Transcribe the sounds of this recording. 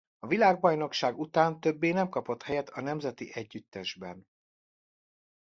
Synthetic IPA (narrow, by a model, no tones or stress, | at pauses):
ɒvilaːɡbɒjno̞kʃaːɡut̪aːnt̪ø̞bːeːnɛmkɒpo̞t̪hɛjɛt̪ɒnɛmzɛt̪iʔɛɟːyt̪ːɛʒbɛn